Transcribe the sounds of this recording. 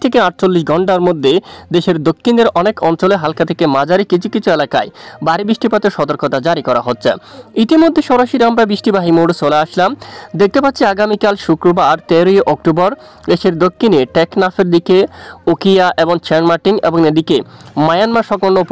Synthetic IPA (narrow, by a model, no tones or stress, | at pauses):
t̪ʰekeaʈ̚t͡ɕolːiʃɡʱɔɳʈaɾmod̪ʱːed̪eʃeɾd̪okʰːind̪eɾʔɔnekɔnt͡ɕoleɦalkat̪ʰekemad͡ʑaɾikit͡ɕʰukit͡ɕʰuelaka̰ebaɾibɾiʃʈipat̪eɾʃɔt̪oɾkot̪ad͡ʑaɾikɔɾa̰ɦotːɕʰeit̪imod̪ʱːeʃɔɾaʃiɾamɾabɾiʃʈibaɦimoɖsoleaʃlamd̪ek̚t̪epat̪ːɕʰiaɡamikalʃukɾobaɾt̪eɾojeʔɔk̚ʈobɔɾd̪eʃeɾd̪okʰːineʈɛknafeɾd̪ikeokʰijaʔeboŋt͡ɕʰɛnmaʈiŋḛboŋed̪ikemajanmaʃɔkoɾnːop